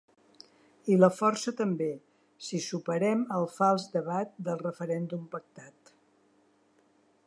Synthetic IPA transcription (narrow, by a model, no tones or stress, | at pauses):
iləfɔrsət̪əmbe | sisupəɾɛməlˠfalˠzd̪əβ̞at̪̚d̪əlˠrəfəɾɛnd̪umpək̚t̪at̪